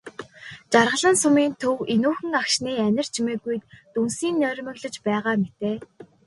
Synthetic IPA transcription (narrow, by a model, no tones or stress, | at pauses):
t͡ɕarʁə̆ɮə̆nsʊmiːnt̪ʰɵwenuːxɘ̆ŋakʃniːænʲɪ̆r̥t͡ɕʰimeːɣujt̪t̪unsiːnːœːɾʲmɘ̆ɣɮə̆t͡ɕpæːʁaːmet̪eː